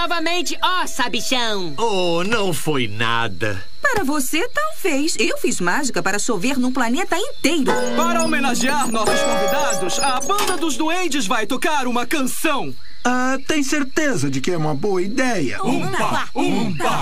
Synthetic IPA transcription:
nɔvɐmẽnt͡ʃɪɔ | sabiʃɐ̃w̃ | o | nɐ̃w̃fojna̰d̪ɐ̰ | paɾɐvoset̪awvejsewfizmaʒikɐpaɾɐsoveɾnũplanet̪ɐĩt̪ejɾʊ | paɾɐomenaʒiaɾnɔsʊskõvid̪ad̪ʊsɐbɐ̃nd̪ɐd̪ʊzd̪uẽnt͡ʃɪzvajt̪okaɾũmɐkɐ̃sɐ̃w̃ | a | t̪ẽj̃seɾt̪ezɐd͡ʒɪkɪɛũmɐboɐid̪ɛjɐ̰ũ | pa | ũ | a

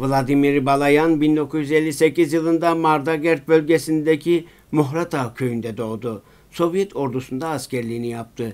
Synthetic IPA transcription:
vlˠad̪imiɾbalˠajanbind̪o̞kʰuzjyze̞lʲːise̞cizjɯlˠɯnd̪amaɾd̪aɡɛɾt̪̚bø̞lʲɟesind̪ecʰi | muɦɾat̪ʰacʰø̞jynd̪ɛd̪o̞ːd̪u | so̞vijɛt̪ʰo̞ɾd̪usund̪aːscʰæɾlʲiːnijap̚t̪ʰɯ

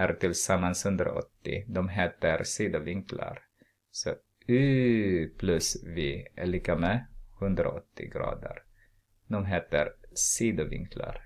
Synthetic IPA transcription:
æɾt̪ʰɪlsamːanshɵnd̪ɾa̰ʔɔ̰t̪ːɪ̰d̪ɔmɦeːt̪əɾsiːd̪avɪŋkla̰ɾ | sɔ | ʉːpʰlɵsvɪɛɭikamɛhɵnd̪ɾa̰ɔt̪ːɪ̰ɡɾɑ̰ːd̪ə̰ɾ | d̪ɔmɦeːt̪əɾsiːd̪ʊvɪ̰ŋkʰla̰ɾ

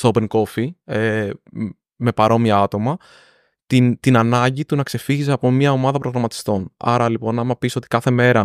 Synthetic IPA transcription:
st̪ope̞ŋko̞fie | me̞pɐɾo̞miɐɐt̪o̞mɐ | t̪int̪inɐnɐɲɟit̪unɐkse̞fiʝis̬eɐpo̞mɲɐo̞mɐðɐpɾo̞ɣɾɐmɐt̪i̥st̪o̞nɐ̰ɾɐlipo̞nɐmɐpisoo̞t̪ikɐθe̞me̞ɾɐ

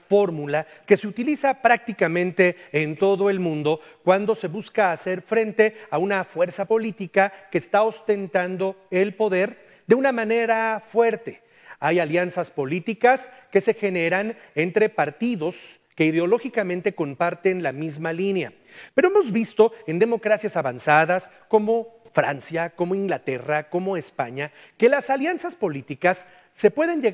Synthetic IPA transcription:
fo̞ɾmulake̞seut̪ilisapɾak̚t̪ikamẽnt̪e̞ːnt̪o̞ðoe̞lmũnd̪o̞ | kwand̪o̞se̞βuskaːse̞ɾfɾẽ̞nt̪e̞aunafwe̞ɾsapo̞lit̪ikakeːst̪ao̞st̪e̞nt̪and̪o̞elpo̞ðe̞ɾ | d̪e̞unamãne̞ɾafwe̞ɾt̪e̞ | ajaljansaspo̞lit̪ikaske̞se̞xe̞ne̞ɾane̞nt̪ɾe̞paɾt̪iðo̞s | ke̞iðeo̞lo̞xikamẽnt̪eko̞mpaɾt̪e̞nlamizmalinea̰ | peɾo̞emo̞zβist̪o̞e̞nd̪e̞mo̞kɾasjasaβansaðas | ko̞mo̞fɾa̰nsjako̞moiŋɡlat̪e̞rako̞moespaɲa | ke̞lasaljansaspo̞lit̪ikasː | e̞pwe̞ðe̞nd͡ʒe

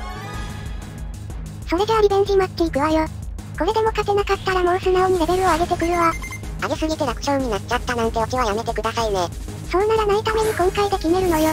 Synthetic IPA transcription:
so̞ɾe̞d̪eaɾʲibẽɕimat̪ːeikɯ̟βajo̞ | ko̞ɾe̞d̪e̞mo̞kak̪e̞nakat̪ːaɾamo̞ɯsɨnaoɲ̟iɾe̞be̞ɾɯ̟o̞aɡe̞t̪e̞kɯ̟ɾɯ̟βa | aɡe̞sɨɡʲit̪e̞ɾakɯ̟̥ɕoːɯ̟ɲ̟inat͡ɕat̪ːanãnt̪e̞okiβajame̞t̪e̞kɯ̟d̪asaine̞ | so̞nnːaɾanait̪ame̞ɲ̟ikõ̞ŋkaid̪e̞kʲime̞ɾɯ̟no̞jo̞

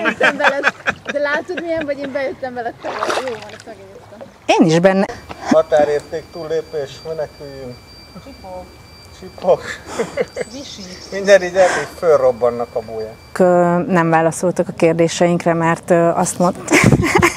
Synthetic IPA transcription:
jøt̪ːɛmvɛlɛd̪ɛlaːt̪od̪mijɛɱvɒɟeːmbɛjøt̪ːɛɱvɛlɛt̪ɛlɛjoːvonɛmɛɡitɔ | eːniʒbɛnːɛɒt̪aːɾeːrt̪eːk̚t̪uːlːeːpeːʃmenɛkyjy | t͡ʃipo | t͡ʃipok | iʃiiɲɟɛɾiɟɛɾmikfølrobːɒnːɒkɒboːjaː | kønɛɱvaːlɒso̞lt̪ɒkɒkeːrd̪eːʃɛjiŋkrɛmɛrt̪øɒst̪mont̪ː

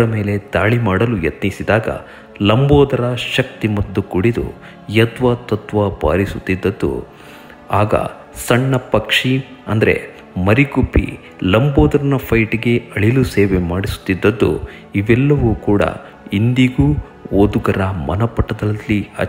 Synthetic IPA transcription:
ɐme̞ːle̞d̪aːɭimaːɽɐlujɐt̪nisid̪aːɡɐ̰ | lɐmboːd̪ɐɾɐʃɐk̚t̪imɐd̪ːukuɽid̪ṵ | jɐt̪ʋɐt̪ɐt̪ʋɐba̰ːɾisut̪ːid̪ːɐd̪ːṵ | aːɡɐ̰ | sɐɳːɐpɐkʂiɐ̰nd̪ɐɾe̞̰ | mɐɾikupːḭ | lɐmboːd̪ɐɾɐnɐpʰɐjʈiɡe̞ɐɭiluseːʋemaːɽisu̥t̪ːid̪ːɐd̪ːṵ | iʋɛlːɐʋuːkuːɽɐ̰ | ind̪iɡuː | oːd̪uɡɐɾɐmɐ̰nɐpɐʈːɐd̪ɐːiɐ̰

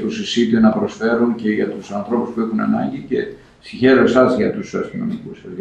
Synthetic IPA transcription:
t̪usisit̪enɐpɾo̞sfe̞ɾunce̞ʝɐt̪usɐnθɾo̞puspue̞xunɐ̰nɐ̰ɲɟice̞̰ | siçe̞ɾo̞e̞sɐzʝɐt̪usɐɾθino̰nikusɐz

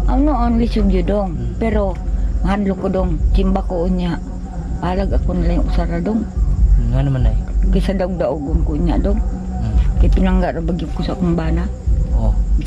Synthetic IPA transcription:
ʔaunoʔonlisumd͡ʒudɔŋpeɾomahanlukodɔŋt͡ʃimbakouɲaʔ | balaɡakonalajaʔusaɾadɔŋŋanamanajɡasadauɡ̚dauɡuŋkouɲa̰ʔdɔŋ | kajpinaŋɡaʔdoŋbaɡiukusakumbana | o

